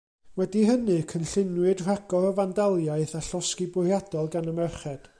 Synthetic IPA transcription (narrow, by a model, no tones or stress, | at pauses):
wɛdiɦənɨkʰənɬɪnwɨdr̥aɡɔrɔvandalˠjaɨθaɬɔskibʊrjadɔlˠɡanəmɛrχɛd̥